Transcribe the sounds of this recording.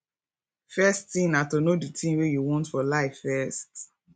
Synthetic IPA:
fɛstĩŋnatonoditʰĩŋwejuwɔ̃ntfɔlaɪffɛst

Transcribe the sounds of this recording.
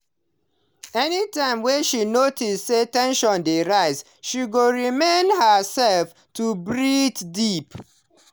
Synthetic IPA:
ɛnitãɪ̃mwɛ̃nʃinotistsetɛ̃nʃɔ̃ndeɾaɪz | ʃiɡoɹimẽnhəsɛlf | tubɹitdip

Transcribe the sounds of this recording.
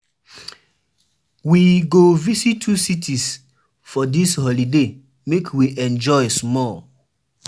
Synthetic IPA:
wiɡovisitʰːusitʰis | fɔdishɔlide | mekʰwiʔɛ̃nd͡ʒɔɪsmɔl

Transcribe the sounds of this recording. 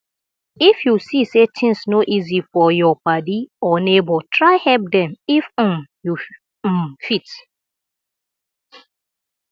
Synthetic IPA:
ifjusisetʰɪ̃nsnoʔizifɔjɔpadiɔnebɔtʰɾaɪhɛlp̚dɛ̃mif̩mju | fit

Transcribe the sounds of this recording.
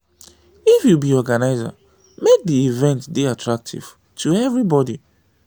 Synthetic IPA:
ifjubiɔɡanaɪza̰ | mek̚diivɛ̃ntbiatʰɹak̚tʰḭv̥ | tʰuɛvɹibɔdi

